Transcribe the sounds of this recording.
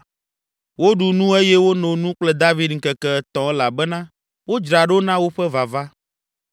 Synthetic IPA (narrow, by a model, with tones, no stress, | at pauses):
wo˦ɖu˨nũ˦e˦jɛ˦wo˦nõ˨nũ˦k͡plɛ˦d̪a˦vi˦d̪ŋ̩˨kɛ˨kɛ˦ɛ˦t̪ɔ̃˨ɛ˦la˨bɛ˦nã˦ | wo˦d͡ʒɾa˨ɖo˦nã˦wo˦ɸɛ˦va˨va˦